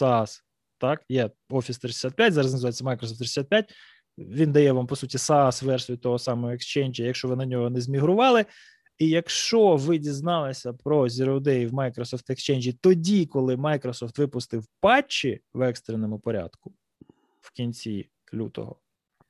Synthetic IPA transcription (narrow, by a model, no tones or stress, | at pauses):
sɑs | t̪ɑkjɛ | ɔfʲist̪ɾɪd̪ʲɪsʲat̪̚pʲjatʲzɑɾɐznɐzʋajet͡sʲːɐmɑjkɾɔsɔft̪ɾɪ̥d̪ɪsʲat̪pʲjat̚ʲ | ʋʲind̪ɐjɛʋɑmpɔsutʲisɑɑsʋɛɾsɔit̪ɔɦɔsɑmɔɦɔekst͡ʃɛnʲd͡ʒjɐjɐkʃt͡ʃɔʋɪnɐdʲnʲɔɦɔnɛzmʲiɦɾʊʋɑlˠɪ | ijɐkʃt͡ʃɔʋɪdʲiznɑlˠɐsʲɐpɾɔzʲiɾɔd̪ɛjwmɑjkɾɔsɔft̪ekst͡ʃɛnʲd͡ʒʲit̪ɔdʲikɔlˠɪmɑjkɾɔsɔft̪ʋɪpʊst̪ɪwpɑt͡ʃːiwɛkst̪ɾenɔmʊpɔɾʲa̰d̪kʊ | wkʲinʲt͡sʲi | lʲṵt̪ɔ̰ɦɔ̰